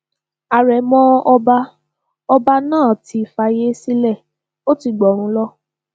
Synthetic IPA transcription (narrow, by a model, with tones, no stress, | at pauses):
a˨ɾɛ˨˦mɔ̃˦ɔ˧ba˧ | ɔ˧ba˧nãː˦˨ti˧˨fa˧je˦si˦lɛ˦˨ | o˦ti˧ɡ͡bɔ˨ɾ̃ũ˨˦lɔ˧˦